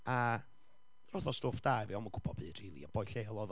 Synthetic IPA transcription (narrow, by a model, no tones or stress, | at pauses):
a | rɔðɔstoːfd̥aɛvɛɔməɡʊb̥ʰɔb̥ɨd̥riːlˠḭab̥ɔjɬelˠɔð